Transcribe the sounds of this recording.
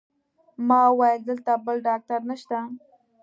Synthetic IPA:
mɑwɑjd̪əlt̪abəlɖɑk̚t̪aɾnəʃt̪a

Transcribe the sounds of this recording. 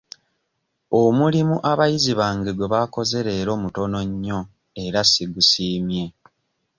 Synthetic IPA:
omulimuʔaβajiziβaːŋɡeɡweβako̞ze̞ɾe̞ːɾo̞ːmuto̞no̞ɲːo̞ | e̞ɾasiɡusiːmje̞

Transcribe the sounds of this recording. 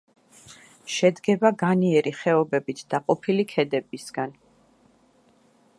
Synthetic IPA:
ʃɛd̪ɡɛbaɡaniɛɾiχɛɔbɛbit̪ʰd̪̥aqʼɔpʰilikʰɛd̪ɛbisɡ̥an

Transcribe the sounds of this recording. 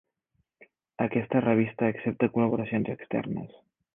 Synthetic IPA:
əkɛst̪ərəβ̞ist̪əːksep̚t̪əkuləβ̞uɾəsionzəkst̪ɛ̰rnə̰s

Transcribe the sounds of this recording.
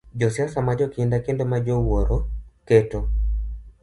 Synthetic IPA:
d͡ʒɔsiasamad͡ʒɔkindakendomad͡ʒɔwoɾɔkɛtɔ

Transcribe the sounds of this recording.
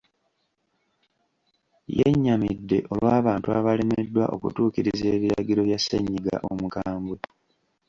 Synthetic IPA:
jeɲːamidːe̞ʔo̞lwaːβaːntuaβale̞medːwaʔo̞kṵtuːkiɾize̞ːβiɾaɡiɾo̞βjasːḛɲːiɡa̰ʔomukaːmbwe

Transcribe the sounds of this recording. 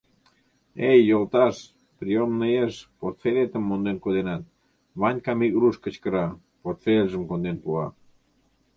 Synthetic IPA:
ejːolt̪ɑʃ | pɾiomnəjeʃport̪felʲet̪əmːond̪enkod̪enɑt̪̚ | βɑnʲkɑmiɣɾuʃkə̆t͡ɕkəɾɑ | port̪felʲʒəmkond̪enpuɑ̰

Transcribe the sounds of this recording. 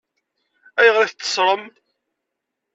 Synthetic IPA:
æjəʁɾiθt͡s̪ːə̥sˤɾˤəm

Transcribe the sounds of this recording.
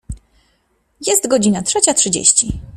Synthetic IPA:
jɛst̪ɡɔd͡ʑinatʂɛt͡ɕatʂɘd͡ʑḛɕt͡ɕi

